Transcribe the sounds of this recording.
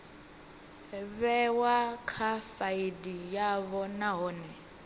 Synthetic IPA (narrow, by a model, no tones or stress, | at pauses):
βɛwakʰafaidijaβɔnaɦɔːnɛ